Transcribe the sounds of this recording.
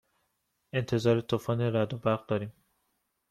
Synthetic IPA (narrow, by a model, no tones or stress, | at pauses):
e̞nt̪ʰe̞zɒːɾet̪ʰufɒːneɾæd̪obæɾɣ̚d̪ɒːɾiːm